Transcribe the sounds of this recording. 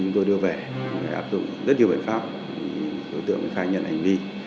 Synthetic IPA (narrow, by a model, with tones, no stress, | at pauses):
t͡ɕʊ˨˦ŋ͡mt̪o˧jɗɨ˧əve˨˩˨xt̪ʰaː˧˩ʔaː˦˥p̚zʊ̰˧˨ŋ͡mzə˦˥t̚nɲ˨əwɓ̰nfaː˦˥p̚ | ḭ˨˩ɗo˨˦jt̪ɨ̰˧˨əŋʔxaː˧jɲə̰˧˨nha˨˩ŋ̟vi˧